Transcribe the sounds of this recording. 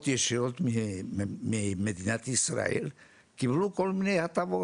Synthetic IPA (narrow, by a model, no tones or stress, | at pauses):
t̪jeʃeot̪miemiemed̪inat̪isra̰ḛl | kiblukolminehat̪aʋo